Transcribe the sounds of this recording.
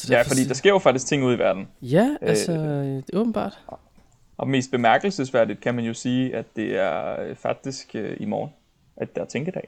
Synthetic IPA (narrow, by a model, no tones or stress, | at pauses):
jæfɒ̽d̥ḭːd̥ɑ̈sɡ̥eɐjo̝fɑ̥̈d̥isɡ̥̚t͡sʰe̝ŋ̰uːð̰ˠiʋæɐd̥n̩jæælsɒ̥ɔːb̥n̩b̥ɑ̰̈ːd̥ | ɒ̽me̝̰ːsd̥̚b̥e̝mæɐɡ̥l̩səsʋæɐ̰d̥id̥kʰæmænjo̝siːæd̥ːe̝æɐøfɑ̈ɡ̥̚d̥isɡ̥øimɒːn | æd̥ːɑæt͡sʰeŋɡ̥əd̥ɛ̰ː